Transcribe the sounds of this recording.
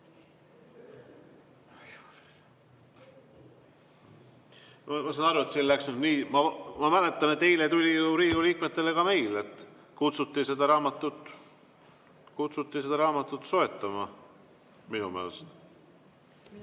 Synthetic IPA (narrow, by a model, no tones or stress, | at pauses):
mɑmɑsɑnɑɾuet̪silːæksnniːmɑmɑmælet̪ˑːɑnet̪ːejlet̪ulʲijuɾiːɡuliːk̚me̞t̪ːˑe̞le̞kɑme̞jlet̪ˑː | kut̪sut̪ːˑise̞d̪̥ɑɾɑːmɑt̪ːˑut̪ːˑ | kut̪sut̪ːˑise̞d̪ɑɾɑːmɑt̪ːˑut̪so̞e̞t̪ːˑɑmɑ | minṵmeelest̪